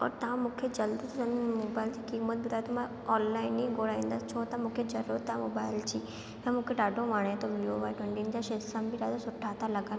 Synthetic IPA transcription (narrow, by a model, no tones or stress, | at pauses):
ɔ̰ːɾt̪ãmũːkʰed͡ʑɐld̪əsənmoːbaːɪlt͡ɕikimət̪̚bʊd̪aːt̪ɔmã | ɔːnlaːɪniɡoɽaĩnd̪ast͡ɕʰoːt̪ãmũkʰed͡ʑɐɾot̪ãmoːbaːɪlt͡ɕiː | ɦãmũkʰeɖaːɖoʋaːɳ̃ẽt̪oblioʋajʈwẽɳʈind͡ʑaʃesambʱiɾaːd̪osʊʈʰːat̪ʰaləɡan